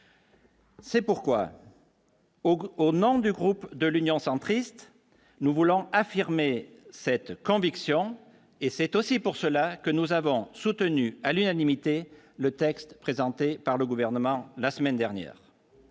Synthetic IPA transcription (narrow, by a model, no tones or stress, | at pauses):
sɛpuʁkwa̰ | onɔ̃d̪yɡʁupd̪əlynjɔ̃sɑ̃t̪χist̪ | nuvulɔ̃afiʁme | sɛt̪kɔ̃viksjɔ̃ | esɛt̪osipuʁsəlakənuzavɔ̃sut̪ənyalynanimit̪e | lət̪ɛkst̪pχezɑ̃t̪epaʁləɡuvɛʁnəmɑ̃lasəmɛnd̪ɛʁnjɛ̰ːʁ